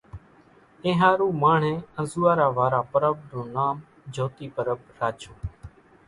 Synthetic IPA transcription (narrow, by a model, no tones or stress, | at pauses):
ẽːɦaːɾuːmaːɳ̤ẽːə̃zuːaːɾaːʋaːɾaːpəɾəb̚d̪õːnaːm | d͡ʒʱoːt̪iːpəɾəb̚ɾaːt͡ʃʰoː